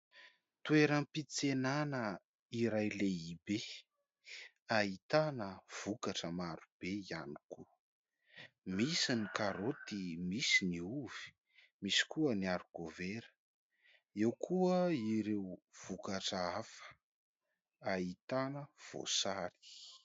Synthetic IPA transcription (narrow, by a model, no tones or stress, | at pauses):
t̪ueɾəmpit͡senanə | iɾajleibe | ait̪anəv̥ukaʈ͡ʂəmaɾub̥eiani̥ku | misinikaɾot̪imisiniuvi̥ | misi̥kuəniaɾuɡoveɾə̥ | ewkʰuəiɾewv̥ukaʈ͡ʂəafə̥ | ait̪anəv̥o̰saɾi̥